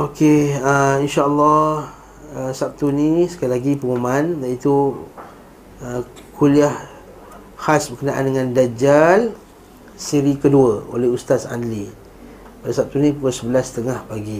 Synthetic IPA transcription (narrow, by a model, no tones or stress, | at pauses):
ʔokeəinʃaəlːɔ | əsap̚t̪unisə̥kalilaɡipəŋumandaʔit̪u | ə | kʰuliah | hasbəkənaʔa̰ndəŋãndad͡ʒal | siɾikəduəo̰lɛhust̪asa̰ndli | padasap̚t̪unĩpukəsəbəlast̪əŋahpaɡi